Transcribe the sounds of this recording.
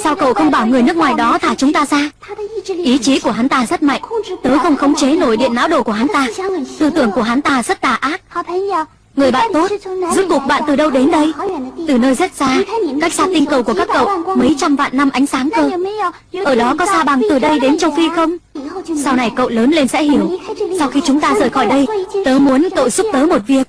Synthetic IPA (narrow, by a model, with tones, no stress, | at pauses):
saː˧wkə̰˧˨wxə˧wŋ͡mɓaː˧˩wŋɨ˨˩əjnɨ˦˥ək̚ŋwaː˨˩jɗɔ˨˦t̪ʰaː˧˩t͡ɕʊ˨˦ŋ͡mt̪aː˧zaː˧ | ʔi˨˦t͡ɕi˨˦ku˧˩əɦa˨˦nt̪aː˧zə˦˥t̚ma̰˧˨jŋ̟t̪əː˨˦jxə˧wŋ͡mxə˨˦wŋ͡mt͡ɕe˨˦no˧˩jɗḭ˧˨ənːa̰ː˧˥wɗo˧˩ku˧˩əɦa˨˦nt̪aː˧t̪ɨ˧˩t̪ɨ˧˩əŋku˧˩əɦa˨˦nt̪aː˧zə˦˥t̚t̪aː˧˩ʔaː˦˥p̚ː | ŋɨ˨˩əjɓa̰ː˧˨nt̪o˦˥t̚zɨ˦˥ku˨˩ək̚ɓa̰ː˧˨nt̪ɨ˨˩ɗə˧wɗe˨˦nɗə˧jt̪ɨ˨˩nəː˧jzə˦˥t̚z̥aː˧ka˦˥k̚saː˧t̪ï˧ŋkə˨˧˩wku˧˩əkaː˦˥kːə̰˧˨wmə˨˦jt͡ɕa˧mva̰ː˧˨nːa˧mʔa˨˦jŋ̟saː˨˦ŋkəː˧ | ʔəː˧˩ɗɔ˨˦kɔ˨˦saː˧ɓa˨˩ŋt̪ɨ˨˩ɗə˧jɗe˨˦nt͡ɕə˧wfi˧xə˧wŋ͡msa˧wna˨˩jkə̰˧˨wləː˨˦nle˧nsɛ̰˧˥hi˧˩əwsa˧wxi˧t͡ɕʊ˨˦ŋ͡mt̪aː˧zəː˨˩jxɔ˧˩jɗə˧jt̪əː˨˦mu˨˦ənkə̰˧˨wzu˦˥p̚t̪əː˨˦mo˨˩t̚vi˦˩ək̚